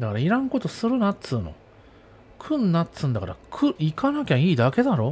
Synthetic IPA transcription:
d̪akaɾaiɾãŋko̞t̪o̞sɨɾɯ̟natɨːno̰ | kʰɯ̟̃nːatt͡sɨ̃nd̪aka̰ɾa̰kʰɯikanakʲãiːd̪ake̞d̪aɾo̞ː

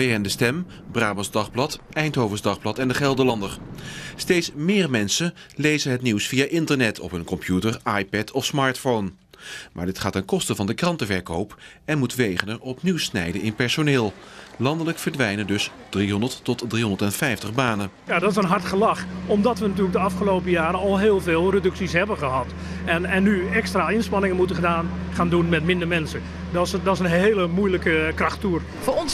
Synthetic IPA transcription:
ejəndəstɛm | braːbəzdɑχblɑtɛjntɦowvəzdɑχblɑtɛndəχɛlˠdəlɑndəɹstejtsmɪːɹmɛnsəlejzənɦətniwsfijaːʔɪntəɹnɛtʰɔ̰pɦɵnkɔmpjutəɹajpɛtʰɔfsmaːɹtfown | mʔa̰ːɹdɪtχaːtankɔstəvɑndəkrɑntəvɛɹkowp | ɛnmutʋejχənəɹɔpniwsnɛ̰jdənɪnpɛɹsonɪːlˠ | lɑndələkfəɹdʋɛjnədɵs | d̥riɦɔndəɹtːɔtdriɦɔndəɹtɛnfɛjftəχbaːnəjadɔtɪsənɦɑrtχəlɑxɔmdɑtʋənatyːələkdəɑfχəloːpəjaːɾəɔlˠɦɪːlˠveːlˠrədɵksisɦɛbəχəɦɑt | ɛnɛnːyɛkstraɪnspɑnɪŋənmutəχədaːn | χaːndunmɛtmɪndərmɛnsə | dɔsdɔɪsənɦeːləmujləkəkrɑxtuər | foːɔns

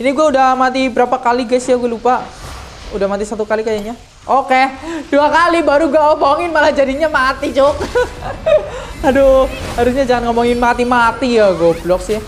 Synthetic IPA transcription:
iniɡuaudamat̪̬ibəɾapakaliɡɛsijaɡualupa | udahmat̪isat̪ukalikajaɲa | oked̥uakalibaɾuɡuaomoŋɪnmalad͡ʒadiɲamat̪it͡ʃʊk̚ | haduhaɾusɲad͡ʒaŋanŋomɔŋɪnmat̪imat̪ijaɡɔblɔksia

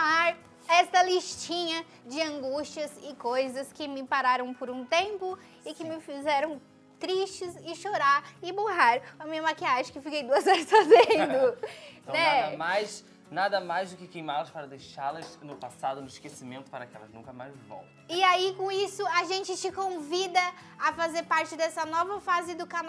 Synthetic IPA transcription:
aɾ | ɛsɐliʃt͡ʃĩɲɐ | d͡ʒɪɐ̃ŋɡuʃt͡ʃiɐzɪkojzɐskɪmɪpaɾaɾɐ̃w̃pʊɾũt̪ẽmpʊ | ɪkɪmɪfizɛɾɐ̃w̃ | t̪ɾiʃt͡ʃɪsɪʃoɾaɾɪboɦaɾɐmĩɲɐmakiaʒɪ̃kefikejd̪uɐzɔɾɪsfazẽd̪ʊ̃ñɛɐmajs | nad̪ɐmajzd̪ʊkɪkejmalɐspaɾɐd̪ejʃalɐznʊpasad̪ʊnʊɪʃkesimẽnt̪ʊ̥paɾɐkɛ̰lɐznũkɐma̰jzbõ̰ | ɪaikõisʊaʒẽnt͡ʃɪt͡ʃɪkõvid̪ɐ | afazeɾpaɾt͡ʃɪd̪ɛsɐnɔvɐfazɪd̪ʊkan

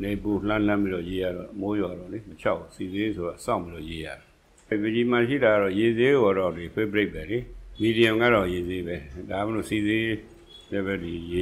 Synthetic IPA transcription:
nebul̥ãl̥ãmpiɾɔjeja̰ɾɔmojwaɾɔlimət͡ɕʰaʊsizesoɾasã̰ʊ̃mpbiɔ̰jeja̰ɾa | bed͡ʑimaʃ̬ḭɾaɡaɾɔjezeɡoaɾɔdipʰwebəɾeʔpʰːɛlimidiə̃mɡa̰ɾɔjezebɛdaaməno̰size | lɛbɛdij

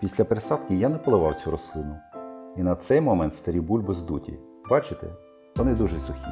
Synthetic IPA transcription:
pʲisʲlʲɐpeɾesɑd̪kʲijanɛpɔlˠɪʋɑwt͡sʲuɾɔslˠɪnʊinɐt̪sɛjmɔmɛnt̪st̪ɐɾʲibulʲbʊzd̪utʲḭ | bɑt͡ʃɪt̪ɛ̰ | ʋɔnɪd̪uʒɛsʊxʲi

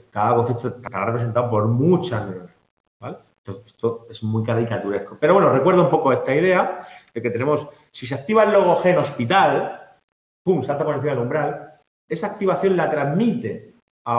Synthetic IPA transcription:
kaðako̞n̟θept̪ot̪at̪aɾarepɾee̞nt̪aopo̞ɾmut͡ʃaɲos | bale | t̪oest̪oe̞smujkaɾikat̪uɾe̞hko̞peɾowenorekwe̞ɾðoumpo̞ko̞e̞st̪aiðe̞ad̪̥e̞ke̞t̪e̞nẽ̞mo̞s | sis̬ak̚t̪iβalo̞ɣoxe̞no̞spit̪al | puŋsalt̪aponen̟θimaðeũmbɾal | e̞saːk̚t̪iβaθjo̞nlat̪ɾazmit̪e̞ | a

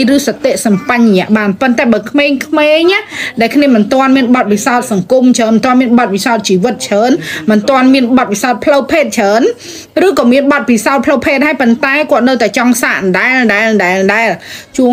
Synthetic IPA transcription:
rɨːsɑt̪ːeʔsɑmpaɲɲɛ̆əʔɓaːnpont̪aɛɓaːkʰmeːŋkʰmeːɲʔaʔɗaɛlkʰniəmɨnt̪ŏənmiənɓɑt̪̚pisaɔt̪̚sɑŋkumt͡ɕʰəːnmnt̪ŏənmiənɓɑt̪̚pisaɔt̪̚t͡ɕiːʋɨt̪̚t͡ɕʰəːnmɨnt̪ŏənmiənɓɑt̪̚ʋisaɔt̪̚pʰləwpʰeːt̪̚t͡ɕʰəːn | rɨːkɑːmiənɓɑt̪̚pisaɔt̪̚pʰləwpʰeːt̪̚haːjpont̪aɛkŏət̪̚nəwt̪aɛt͡ɕɑŋsaʔnɗaɛlɗaɛlɗaɛlɗaɛlt͡ɕuə

